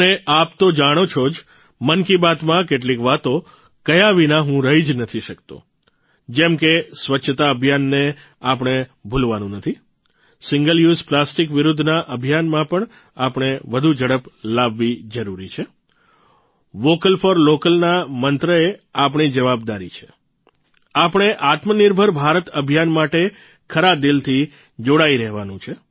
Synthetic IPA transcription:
əneʔapt̪od͡ʒaɽ̃ot͡ʃʰod͡ʒ | mənkibat̪mãkeʈ̬likʋat̪o | kəjaʋinãɦũɾəɦid͡ʒnət̪ʰiʃəkt̪o̰ | d͡ʒɛmkesʋətːt͡ʃʰt̪aəbʱijanːe | apɽ̃ebʱulʋanũnət̪ʰi | sɪŋɡəljuzplasʈikʋɪɾud̪ʱːnaʔəbʱjanmãpəɳ | apɳ̃eʋəd̪ʱud͡ʒəɽəplaʋːid͡ʒəɾuɾit͡ʃʰe | ʋokəlfəɾlokəlnamənt̪ɾəeap̬ɳ̃id͡ʒəʋab̚d̪aɾḭt͡ʃʰe̥ | apəɳ̃eʔat̪məniɾbʱəɾbʱaɾət̪əbʱjanmaʈe | kʰəɾad̪ilt̪ʰi | d͡ʒoɽaiɾəɦʋanũt͡ʃʰe

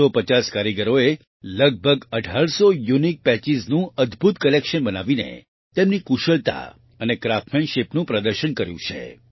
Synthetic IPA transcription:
opət͡ʃaskaɾiɡəɾoe | ləɡ̚bʱəɡəɖʱaɭsojunik̚pɛt͡ʃiznũʔəd̪ʱbʱut̪kəlekʃənbənaʋinḛ | t̪emnikuʃəɭt̪a̰ | ənekɾafmenʃepnũpɾəd̪əɾʃənkəɾjṵ̃t͡ʃʰḛ

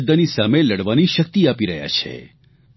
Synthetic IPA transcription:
d̪ənisameləɽʋaniʃək̚t̪iapiɾəɦja̰t͡ʃʰḛ

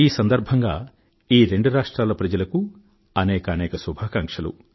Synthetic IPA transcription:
iːsɐnd̪ɐɾbʱɐŋɡaː | iːɾe̞ɳɖuɾaːʂʈɾaːlɐpɾɐd͡ʒɐlɐku | ɐnɛːkɐːnɛːkɐsubʱaːkɐŋkʂɐlṵ

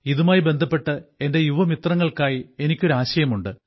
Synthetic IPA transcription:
iðumaːjibe̞nd̪ʱɐpːe̞ʈːɨe̞nde̞juʋɐmit̪rɐŋːɐɭkaːjie̞nikʲːuɾaːɕɐjɐmuɳɖɨ

